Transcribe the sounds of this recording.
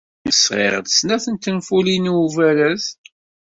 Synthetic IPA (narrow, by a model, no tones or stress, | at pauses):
əsʁḛʁəd̪snæθənt̪ːənfuliniuvælæz